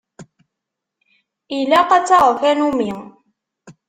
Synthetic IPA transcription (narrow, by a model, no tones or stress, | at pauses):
ilæqɑt͡sːɑʁəfænumi